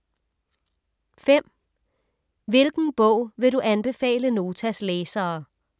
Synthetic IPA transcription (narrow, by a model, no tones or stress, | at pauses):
fem̰ | ʋe̝lɡ̥n̩b̥ɔʊ̰ʋe̝ɾuʔænb̥e̝fɛ̰ːləno̝ːt͡sʰæsleːsɐː